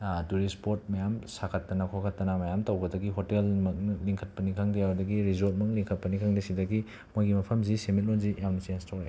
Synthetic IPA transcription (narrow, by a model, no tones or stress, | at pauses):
tuɾispoɾt̚mɐjamsakʰɐtːɐnɐkʰokʰɐtːɐnɐmɐjamtɐwɡɐdɐɡiɦotelmɐk̚nliŋkʰɐt̚pɐnikʰaŋdɐjawdɐɡiɾizot̚mɐkliŋkʰɐt̚pɐnikʰaŋdesidɐɡi | mojɡimɐpʰɐmzisemit̚lonzijʔamnit͡ʃenstʰawe